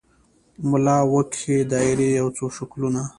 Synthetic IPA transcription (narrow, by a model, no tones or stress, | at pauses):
mʊlɑwəked̪ɑɪɾejawt͡soʃakluna